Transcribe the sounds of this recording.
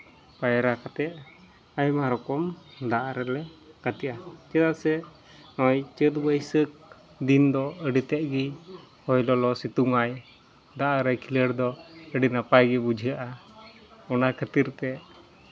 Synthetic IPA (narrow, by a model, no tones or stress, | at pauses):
pajɾakat̪ɛʔ̚ | ajmaɾɔkɔmd̪aʔaɾɛlɛkat̪iʔat͡ʃɛt̪aʔsɛ | nɔjt͡ʃət̪̚bəjsək̚ | d̪ind̪ɔəɖit̪ɛʔ̚ɡihɔjlɔlɔsit̪uŋaj | d̪aʔaɾɛjkʰiləɽd̪ɔəɖinapajɡɛbud͡ʒʱijaʔa | ɔnakʰət̪iɾt̪ɛʔ